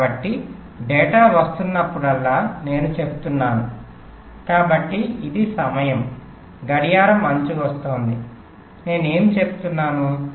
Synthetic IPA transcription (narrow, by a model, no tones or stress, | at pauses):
bɐʈːi | ɖɛːʈaːʋɐst̪unːɐpːuɽɐlːaːne̞ːnut͡ʃe̞but̪unːaːnu | kaːbɐʈːiid̪isɐmɐjɐm | ɡɐɽijaːɾɐmːɐɲt͡ʃuʋɐst̪oːnd̪i | ne̞ːnue̞ːmit͡ʃe̞bu̥t̪unːaːnu